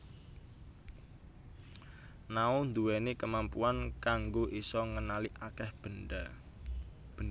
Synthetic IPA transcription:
naʊnd̪uwɛnekəmampuankaŋɡoʔisɔŋənaliʔakɛhb̥əda | b̥

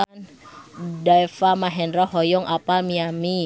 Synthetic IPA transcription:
n | daɛfamaɦɛnɾɔhɦɔjɔŋapamiami

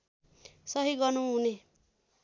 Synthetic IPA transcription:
sʌɦiɡʌnũɦune

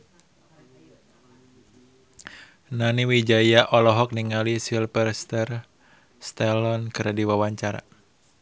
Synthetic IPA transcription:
naniwid͡ʒajaʔɔlɔɦɔk̚niŋalisilpərst̪ər | st̪ɛlɔnkɨɾadiwawaɲt͡ʃaɾa̰

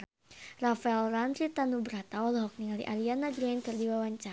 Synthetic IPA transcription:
rafaɛlranɾit̪anubəɾat̪aɔlɦɔk̚niŋalḭʔalianaɡɾankɨrdiwawaɲt͡ʃa

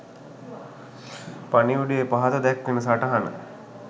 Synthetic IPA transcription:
paniuɖijepaɦat̪əd̪ɛkʋinəsaʈɐɦanə̰

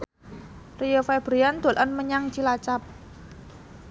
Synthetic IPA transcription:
rijofɛb̥ɾijand̪̥o̤lʔənməɲaŋt͡ʃilat͡ʃap̚

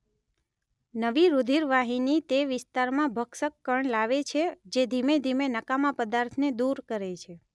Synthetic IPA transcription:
nəʋiɾud̪ʱiɾʋaɦinit̪eʋɪst̪aɾmãbʱəksəkːəɳlaʋet͡ʃʰed͡ʒed̪ʱimed̪ʱimenəkamãpəd̪aɾt̪ʰned̪uɾkəɾet͡ʃʰe

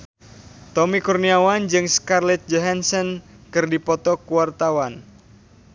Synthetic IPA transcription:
t̪ɔmikurniawand͡ʒɨŋskarlɛt̪̚d͡ʒɔɦansənkɨrdipɔt̪ɔkuwart̪awan

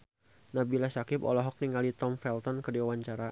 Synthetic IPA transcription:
nabilasakɪpɔ̰lɔɦɔk̚niŋalit̪ɔmfɛlt̪ɔnkədiwawaɲt͡ʃaɾa

